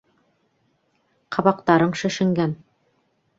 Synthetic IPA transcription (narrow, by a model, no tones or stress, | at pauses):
qʰɑβɑqt̪ɑɾɤɴʃɘ̆ʃɘ̆ŋɡæn